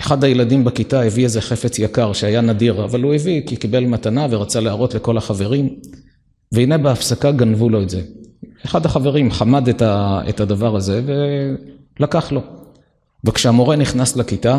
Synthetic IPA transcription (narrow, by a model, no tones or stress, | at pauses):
eχad̪hajeladimbekitaeviezeχe̞fet͡sjakaʁʃeajanadiʁavalhuevikikibe̞lmatanaveʁat͡saleaʁo̞t̪le̞ko̞laχave̞ʁim | vehinebeafsakaɡanvulo̞etze̞eχad̪haχave̞ʁimχamadetaḛtad̪avaʁaze̞ve̞ | lakaχlo̞ | vekʃeamo̞ʁe̞niχnaslakita